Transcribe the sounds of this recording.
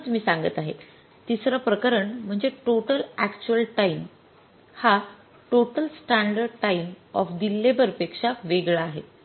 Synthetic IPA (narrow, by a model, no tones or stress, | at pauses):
t͡smiːsãŋɡət̪aɦe | t̪isɾəpɾəkəɾəɳm̤əɳd͡zeʈoʈəlækt͡ɕuəlʈaim | ha | ʈoʈəlsʈaɳɖəɖ̚ʈaimɔ̰fd̪ilːebəɾpekʂaʋeɡɭaːɦe